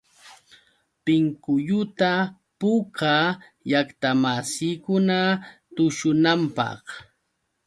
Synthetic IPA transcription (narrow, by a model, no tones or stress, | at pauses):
pɪŋkʊʎʊt̪a | pʊka | jakt̪amasiːkʊnat̪ʊʃʊnampɑ̰χ